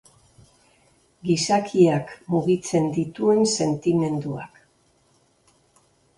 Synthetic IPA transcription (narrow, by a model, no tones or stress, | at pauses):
ɡisakʰiakmuɣit͡se̞nd̪it̪ue̞nse̞nt̪ime̞nd̪ua̰k